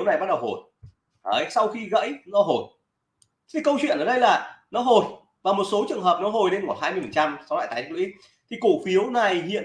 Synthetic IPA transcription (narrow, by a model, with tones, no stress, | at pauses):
wna˨˩jbaː˦˥t̚ɗə˨˩who˨˩j | ə̰ː˨˩jsa˧wxi˧ɣə̰˧˥jnɔ˨˦ɦo˨˩jʰ | i˧˨˩kə˧wt͡ɕwḭ˧˨ənʔəː˧˩ɗə˧jlaː˨˩nɔ˨˦ɦo˨˩j | vaː˨˩mo˨˩t̚so˨˦t͡ɕɨ˨˩əŋɦəː˨˩p̚nɔ˨˦ɦo˨˩jne˧nkɔ˧˩n̚haː˧jmɨ˧fə˨˩nt͡ɕa˧msɔ˨˦wla̰ː˧˨jt̪a˨˦ɗkwḭ˧˦˥ | t̪ʰi˨˩ku˧˩fi˨˦əwna˨˩jhḭ˧˨ən